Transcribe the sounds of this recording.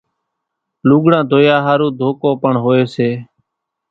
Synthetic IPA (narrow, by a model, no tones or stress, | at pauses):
luːɠɽãːd̪ʱoːjaːɦaːɾũːd̪ʱoːkoːpəɳɦoːeːseː